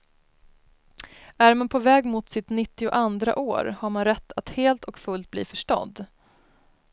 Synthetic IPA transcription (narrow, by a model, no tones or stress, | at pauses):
æɾmanpʰɔvɛːɡmʊt̪sɪt̪nɪt̪ːɪʊʔand̪ɾa̰ʔoːɾhaɾmanɾɛt̪ʰːat̪heːlt̪ʰɔkfɵlt̪̚blḭːfœʂʈɔ̰d̪ː